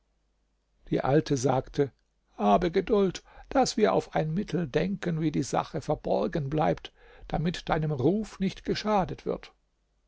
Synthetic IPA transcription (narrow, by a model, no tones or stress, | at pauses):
d̥ḭːʔaltʰəzaːktʰə | haːbəɡədʊltd̥asv̥iːɐʔa̰ʊfaɪnmɪtʰl̩dɛŋkənviːdiːza̰χəfɛɐbɔɐɡənblaɪpt | d̥amɪtd̥aɪnəmʁuːfnɪçtɡ̥əʃaːdətv̥ɪ̰ɐt